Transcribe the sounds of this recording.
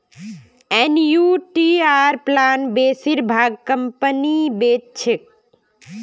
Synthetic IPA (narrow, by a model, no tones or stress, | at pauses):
enjuʈiaɾplanbesiɾbʱaɡ̚kəmpənibett͡ʃʰik̚